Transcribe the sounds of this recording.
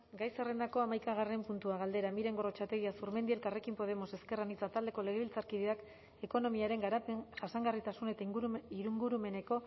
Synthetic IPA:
ɡajsere̞nd̪ako̞amajkaɣ̞are̞mpunt̪uaɣald̪eɾamiɾe̞ŋɡo̞ro̞t͡ʃat̪e̞ɣiasuɾme̞nd̪ielkare̞kimpo̞ð̞e̞mo̞se̞ske̞ranit͡sat̪ald̪e̞ko̞le̞ɣ̞eβilt͡saɾkiðeak | e̞ko̞no̞miaɾe̞ŋɡɾapʝasaŋɡarit̪asune̞t̪aɡiɾuŋɡuɾume̞ne̞ko̞

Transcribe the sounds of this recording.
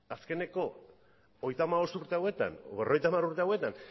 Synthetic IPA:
aske̞ne̞ko̞ | oejt̪amaβ̞o̞st̪uɾt̪e̞awe̞t̪a̰nβerojt̪amaɾuɾt̪eawe̞t̪an

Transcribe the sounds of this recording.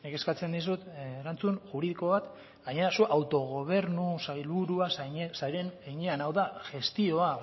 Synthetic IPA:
neke̞skat͡se̞nd̪is̬ut̪ːɾant͡sunʝuɾiðiko̞βat̪ | ɡaɲe̞ɾasuʔawt̪o̞ɣ̞o̞β̞e̞ɾnusajlβuɾuassaɾeneɲeanawðaʝe̞st̪io̞a

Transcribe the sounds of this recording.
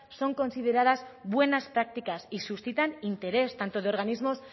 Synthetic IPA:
so̞ŋko̞nsið̞e̞ɾað̞azβwe̞naspɾak̚t̪ikasisusθit̪anint̪e̞ɾe̞st̪ant̪oð̞eo̞ɾɣ̞anizmo̞s

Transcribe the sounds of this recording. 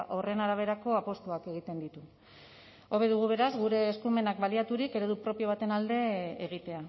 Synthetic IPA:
ʔo̞re̞naɾaβ̞e̞ɾako̞apo̞st̪uake̞ɣ̞it̪e̞nd̪it̪u | o̞βe̞ðuɣ̞uβ̞e̞ɾazɣuɾe̞ːskume̞nakbaliat̪uɾikeɾe̞ðupɾo̞pio̞β̞at̪e̞nald̪e̞ːɣ̞it̪e̞a

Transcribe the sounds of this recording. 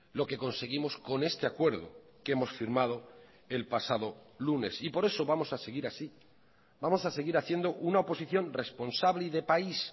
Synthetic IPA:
lo̞ke̞ko̞nse̞ɣ̞imo̞sko̞ne̞st̪e̞akwe̞ɾð̞o̰ke̞mo̞sfiɾmað̞o̞ | e̞lpasað̞o̞lune̞sipo̞ɾe̞so̞βamo̞sase̞ɣiɾasi | bamo̞sase̞ɣiɾaθje̞nd̪o̞ʔunaopo̞siθjo̞nre̞spo̞nsaβliðe̞pais

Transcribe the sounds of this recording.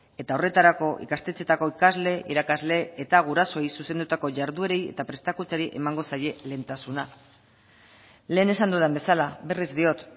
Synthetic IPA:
e̞t̪ao̞re̞t̪aɾako̞ʔḭkast̪e̞t͡se̞t̪ako̞ikazle̞ʔiɾakazle̞ːt̪aɣuɾaso̞ejsuse̞nd̪ut̪ako̞ʝaɾðue̞ɾeje̞̰t̪apɾe̞st̪akut͡saɾiʔe̞maŋɡo̞saje̞le̞nt̪asuna | le̞ːne̞sand̪uðembe̞salaβe̞rizd̪io̞t̪

